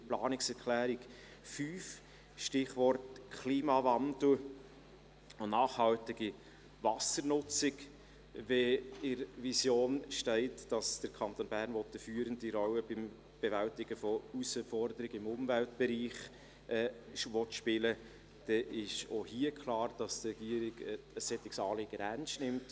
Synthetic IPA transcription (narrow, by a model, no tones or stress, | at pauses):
plɑ̰ːnɪksɛɾkʰlæːɾɪk | fyːf | ʃtɪχvɔrtkʰliːmɑvɑnd̪l̩ | nɑːχhɑltɪɡi | vɑsəɾnʊt͡sɪk | vɛɪɾvisjoːnʃtɛɪtd̥ɑsd̥əɾkʰɑnt̪oːnb̥æːrnʋɔt̪əfyːəɾəndiɾɔlːəbɪm | b̥evæltɪɡ̥əfɔusəfɔɾd̪əɾɪɡɪmʊmvælt̚b̥ɛɾiːχ | ʔɛːʋɔtʃpɪlə | d̥ɛʔɪʃohiːəkʰχlɑːrd̥ɑst̪rɛɡ̥iəɾɪɡəsːɛt̪ːɪksɑːleɡəɾænsnɪmt